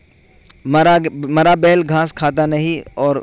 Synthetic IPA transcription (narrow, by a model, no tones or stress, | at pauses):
mɾamɐɾabɛɦlɡʱãːskʰaːt̪̬anɐɦĩɔːɾ